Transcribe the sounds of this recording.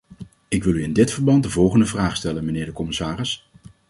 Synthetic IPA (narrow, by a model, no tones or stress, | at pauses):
ɪkʋɪlˠyɪndɪtfəɹbɑnt̚dəvɔlˠχəndəvraːχstɛlənmənɪːɹdəkɔmɪsaːrɪs